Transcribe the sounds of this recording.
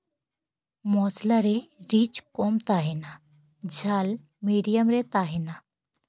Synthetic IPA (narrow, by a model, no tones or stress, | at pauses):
mɔːslaɾeɾiːt͡ʃkoːmt̪aːɦena | d͡ʒʱal | miːɖijəmɾet̪aːɦena